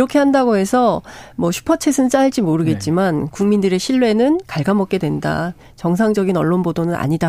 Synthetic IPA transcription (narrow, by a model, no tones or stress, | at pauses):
iɾʌkʰe̞ɦandaɡoɦe̞sʰʌmwʌɕʰu̥pʰʌt͡ɕʰe̞sʰɯnt͡ɕ͈aɭd͡ʑimoɾɯɡe̞t̚t͡ɕ͈imankuŋmindɯɾe̞ɕʰiɭːwe̞nɯnkaɭɡamʌk̚k͈e̞dwenda̰ | t͡ɕʌŋs̬ʰaŋd͡ʑʌɡinʌɭːonbodonɯna̰ɲida